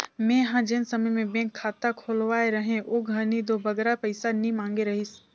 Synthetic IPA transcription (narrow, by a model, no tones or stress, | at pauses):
mẽɦãd͡ʒɪnsɐməjmẽbɛ̃ːŋkʰːaːt̪akʰoːlʋaːeɾɐɦẽʔoːɡʱɐɾnid̪obɐɡɾapɐɪsanĩmãːŋɡeɾɐɦɪs